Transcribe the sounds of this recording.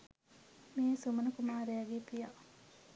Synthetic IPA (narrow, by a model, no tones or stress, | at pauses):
miːsumɐnɐkumaːɾejɐɡepija